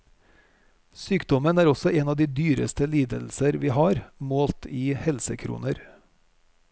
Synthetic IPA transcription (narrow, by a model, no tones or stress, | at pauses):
syːkd̪ɔmənæːɾɔsɔʔeːnɑːd̪iːd̪yːɾə̰st̪əliːd̪əl̩səɾʋiːhɑːɾmoːlt̪ʰiːhɛlsəkʰɾṵːnəɾ